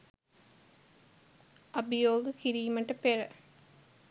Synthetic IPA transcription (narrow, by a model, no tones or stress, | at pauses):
ɐbijoːɡəkiɾiːməʈəperə